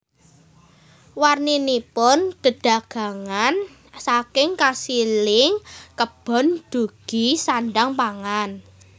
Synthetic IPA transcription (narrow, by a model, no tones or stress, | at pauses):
warninipʊnd̪̥ə̤d̥a̤ɡ̥a̤ŋan | sakɪŋkasilɪŋkəb̥ɔ̤nd̪̥ṳɡ̥i̤sanɖaŋpaŋan